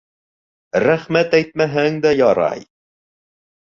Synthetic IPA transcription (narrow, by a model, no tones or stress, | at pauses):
ɾæχmæt̪æjt̪̚mæɦæŋd̪æjɒɾɑ̰j